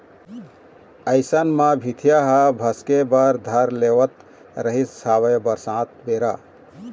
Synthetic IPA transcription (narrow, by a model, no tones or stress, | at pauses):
əɪsənmabʱit̪ʰijaɦəbʱəskebəɾd̪ʱəɾlewət̪ | ɾəɦissaβəbəɾsãt̪beɾa